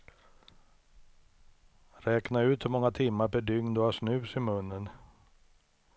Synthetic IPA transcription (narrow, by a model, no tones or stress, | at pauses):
ɾɛːknaʉ̟ːt̪ɔmɔŋːat̪ʰɪmːaɾpɛɖʏŋnɔaʂnʉ̟ːsɪmɵnːən